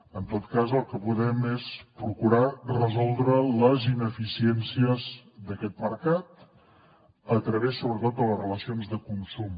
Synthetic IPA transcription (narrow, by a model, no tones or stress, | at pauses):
ənt̪ot̪kazəlˠkəpuðɛmespɾukuɾarəzɔlˠd̪ɾələzinəfisiɛnsiəzd̪əkɛt̪̚məɾkat̪ | ət̪ɾəβesːoβɾət̪ot̪̚d̪ələzrələsionzðəkunsum